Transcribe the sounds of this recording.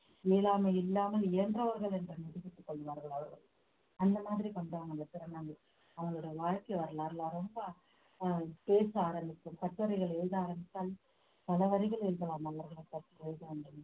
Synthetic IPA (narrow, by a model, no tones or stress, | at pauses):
eːlaːmɐɪlːaːmɐlɪɐndrɐʋɐɾɣɐɭɛndrɯnɪðɪpːɪʈːɯkːɔɭːɯʋaːɾɣɐɭɐʋɐɾɣɐ̰ɭ | ɐnd̪ɐmaːðɪɾikɐɳɖaːɐŋɐdɐpɪɾɐnɐŋɐ | ɐʋɐɡɐɭɯɽɐjɐʋaːɻkɐɪʋɐɾɐɭaːɾlaːɾɔmbɐ | peːsaːɾɐmbɪkːɯmkɐʈːɐɾɐɪɣɐɭɛɻɯðaːɾɐmbɪt͡ʃːaːl | pɐlɐʋɐɾɪɣɐɭɛɻðɐlaːmɐlːɐɾɣɐɭɐkːɐʈ̪ːɯɻðɐʋɐɳɖɯm